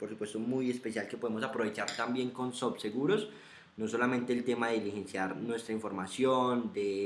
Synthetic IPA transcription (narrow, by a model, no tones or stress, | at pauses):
po̞ɾsupwe̞st̪omuje̞spe̞sjalkepo̞ðemo̞sapɾo̞βet͡ʃaɾt̪ambje̞ŋko̞nsobse̞ɣuɾo̞s | no̞so̞lamẽnt̪e̞ːlt̪e̞maðe̞ilihe̞nsjaɾnwe̞st̪ɾaiɱfo̞ɾmasjond̪e̞